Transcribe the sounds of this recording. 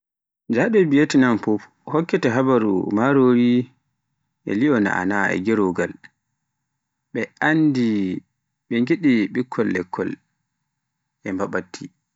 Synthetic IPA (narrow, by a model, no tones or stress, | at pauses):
d͡ʒaɗɔbijetinamfɔf | hɔkːɛtɛɦabaɾṵmaɾoɾi | ʔɛ̰liɔna̰ʔa̰naɛ̰ɡɛɾoɡal | ɓɛandi | ɓɛŋɡiɗiɓikʰːɔlːɛkʰːɔ̰l | ʔɛmbaɓatːi